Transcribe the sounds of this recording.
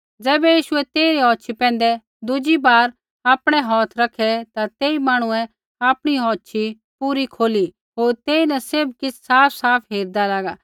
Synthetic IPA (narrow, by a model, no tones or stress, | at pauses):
d͡zɛːbɛjiːʃʊɛt̪eːiɾiɦɔːʃʰipɛ̃ːn̆d̪ɛ | d̪ʊd͡ʒibaːɾ | aːpɽ̃ɛɦɔːt̪ʰɾɐkʰɛt̪at̪eːimaːɽ̃ʊɛ̃ | aːpɽ̃iɦɔːtːʃʰi | puːɾikʰoːli | ɦoːɾt̪eːinɛsɪɾb̚kɪt͡sʰsaːpʰsaːpʰɦeːɾd̪alaːɡaː